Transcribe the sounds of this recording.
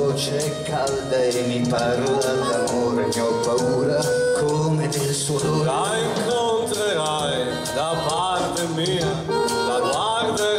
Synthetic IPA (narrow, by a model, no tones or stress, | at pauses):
ot͡ʃe | kʰald̪aemipaɾuːɾad̪amoːɾmiɔpauːɾakʰoːmed̪elsoloaiŋkont̪ɾeɾa | j | d̪apa | ɾt̪emiːa | lat̪aɾd̪e